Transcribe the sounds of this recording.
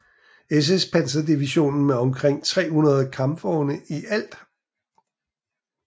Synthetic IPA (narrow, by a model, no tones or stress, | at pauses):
es̬espʰænsɐd̥iʋiɕo̝̰ːnn̩meɒ̽mkʰʁeŋ̰t͡sʰʁɛ̰ːhunɐð̞ˠkʰɑ̈mfɒːʊnəʔiʔæl̰d̥